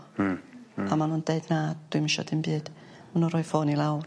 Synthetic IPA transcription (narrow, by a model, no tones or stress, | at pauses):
amanundeɨdnad̥wɨmɪʃɔ̰dɨmbɨːd̥munɔɾɔɨfoːnilˠawr